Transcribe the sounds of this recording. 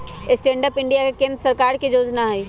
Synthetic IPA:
ɪsʈẽːɳɖəpɪ̃ɳɖijakekẽːnd̪ɾəsəɾkaːɾkid͡ʒoːd͡ʒnaɦɛi

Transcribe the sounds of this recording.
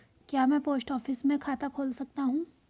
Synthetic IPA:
kjaːmɛ̃ːpoːsʈɔːfɪsmẽkʰaːt̪akʰoːlsɐk̚t̪aɦũː

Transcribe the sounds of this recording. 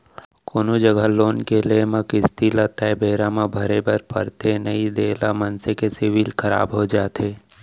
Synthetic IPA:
koːnod͡ʒəɡəloːnkelemãkɪst̪ilat̪abeːɾamãbʱəɾebʱəɾpə̰ɾt̪enəid̪eːlamənsekesɪʋilkʰəɾa̰ːbɦod͡ʒaːt̪ʰeː

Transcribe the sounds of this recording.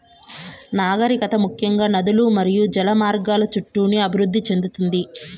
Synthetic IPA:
naːɡɐɾikɐt̪ɐmukʰjɐŋɡaːnɐd̪ulumɐɾijud͡ʒɐlɐmaːɾɡaːlɐt͡ʃuʈːuːniɐbʱiɾud̪ʱːit͡ʃe̞nd̪ut̪und̪i

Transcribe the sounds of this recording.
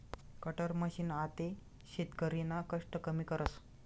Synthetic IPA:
kəʈəɾməɕiːnat̪e | ɕit̪kəɾinakəʂʈəkəmiːkəɾəs

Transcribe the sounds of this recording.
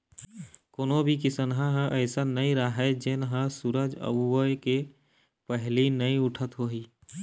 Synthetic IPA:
koːnobʱikisənɦaɦə̃ʔəːsanəĩɾaɦɛd͡ʒɪnɦə̃suɾəd͡ʒə̰buwəjke | pəɦlinəĩʊʈʰət̪ɦoɦiː

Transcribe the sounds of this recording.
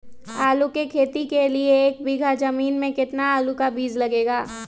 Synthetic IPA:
aːlukekʰeːt̪ikelieːk̚biɡʱad͡ʒɐmiːnmẽkɪt̪naaːlukabiːzlɐɡeːɡaː

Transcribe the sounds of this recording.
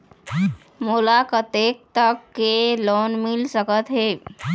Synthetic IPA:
moːlakət̪eːk̚t̪əkːeloːnmɪlsəkət̪ɦeː

